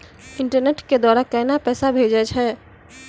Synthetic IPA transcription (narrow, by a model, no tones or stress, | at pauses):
ɪɳʈəɾneʈked̪waːɾakəɪnapɛːsabʱed͡ʒɛd͡ʒʰɛ